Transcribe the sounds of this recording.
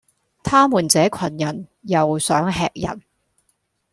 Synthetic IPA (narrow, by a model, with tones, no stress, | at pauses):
t̪ʰaː˥muː˨˩nt͡sɛː˨˧˥kʰɐ˨˩njɐ˨˩njɐ˨wsœː˨˥ŋɦɛ̰ː˧k̚jɐ̰˨˩n